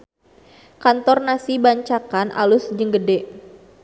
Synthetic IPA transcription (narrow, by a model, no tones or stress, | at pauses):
kant̪ɔrnasibaɲt͡ʃakanʔa̰lʊsd͡ʒəŋɡədɛʔ